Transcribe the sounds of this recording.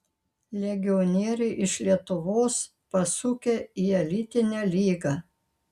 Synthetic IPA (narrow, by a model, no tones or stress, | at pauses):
lʲɛɡʲɪɔnʲiɛɾʲɛɪʔɪʃlʲiɛt̪ʊʋoːs | pɐsʊkʲeːiɛlʲɪt̪ʲɪnʲæːlʲiːɡɑː